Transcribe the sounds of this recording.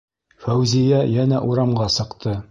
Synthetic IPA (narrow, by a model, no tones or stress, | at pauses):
fæwzijæjænæʔuɾɑmʁɑsɤ̆qt̪ʰɤ